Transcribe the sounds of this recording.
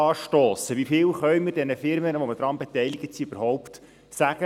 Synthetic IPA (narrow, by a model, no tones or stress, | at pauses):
ɑːʃtoːsəʋifɪːlχœɥməɾdɛnəfɪɾmənəʋɔməd̥ɾɑnbɛtɛjliɡ̥ətsiøb̥əɾhɔwpt̪ | sæɡə